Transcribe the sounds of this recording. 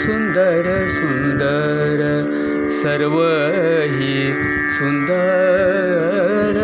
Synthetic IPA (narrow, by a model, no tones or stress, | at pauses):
sund̪əɾ | sund̪ə | ɾ | sɐɾʋə | ɦi | sund̪ə | ɾ